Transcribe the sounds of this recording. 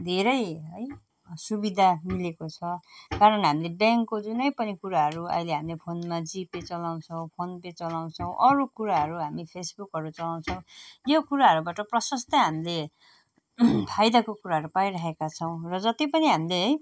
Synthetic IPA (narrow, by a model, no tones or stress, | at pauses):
d̪ʱeɾʌjɦʌj | subid̪ʱamilekot͡sʰʌkaɾʌnɦamilebjaŋkːod͡zunʌjpʌnikuɾaɦʌɾuʌ̰jleɦamilepʰonmad͡zipet͡sʌlaw̃t͡sʰʌw̃pʰonpet͡sʌlaw̃t͡sʰʌw̃ʔʌɾukuɾaɦʌɾuɦamipʰesbukɦʌɾut͡sʌlaw̃t͡sʰʌw̃jokuɾaɦʌɾubaʈʌprʌsʌst̪ʌɦamile | pʰajd̪akokuɾaɦʌɾupaiɾaɦekat͡sʰʌw̃rʌd͡zʌt̪ipʌniɦamileɦj